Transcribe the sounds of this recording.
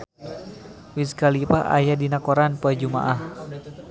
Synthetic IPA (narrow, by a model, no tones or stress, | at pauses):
wiskalipaʔa̰jadinakɔɾanpuad͡ʒuma̰ʔah